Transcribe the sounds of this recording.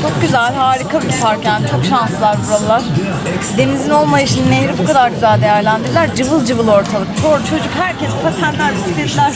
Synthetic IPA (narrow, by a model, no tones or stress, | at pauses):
t͡ʃʰo̞k̚ɟyzælʲhaːɾikʰabit̪ʰupaɾcant͡ʃʰo̞kʃansɯlˠaɾbuɾalˠlˠaɾ̥ | d̪e̞nizino̞lˠmajiʃɯnnehɾibukʰad̪aɾɟyzælʲd̪e̞jæɾlʲænd̪iɾilʲæɾd͡ʒɯvɯlˠd͡ʒɯvɯlˠo̞ɾt̪ʰalˠɯkt͡ʃʰo̞ɾd̪t͡ʃʰo̞d͡ʒukɦæɾcʰɛspʰasænlʲæɾbist̪eɾilʲæɾ